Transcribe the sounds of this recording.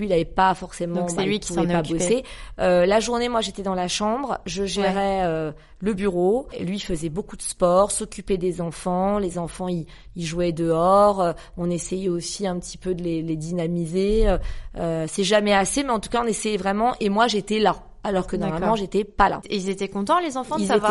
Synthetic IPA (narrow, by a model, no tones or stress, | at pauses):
ɥilavɛpafɔʁsemɑ̃ɛliuvɛpaboseølaʒuʁnemwaʒet̪ɛd̪ɑ̃laʃɑ̃bʁʒəʒɛʁɛø | ləbyʁolɥiːfəzɛbokud̪əspɔʁsɔkʲyped̪ezɑ̃fɑ̃lezɑ̃fɑ̃i | iʒwɛd̪əɔʁø | ɔ̃nesɛjɛosiɛ̃pət̪ʰi̥pød̪əleled̪inamizeøøsɛʒamɛasemɛɑ̃t̪u̥kaɔ̃nesɛjɛvʁɛmɑ̃ʔemwaʒet̪ɛla | alɔʁkənɔʁmalmɑ̃ʒet̪ɛpala̰eilzet̪ɛkɔ̃t̪ɑ̃lezɑ̃fɑ̃izv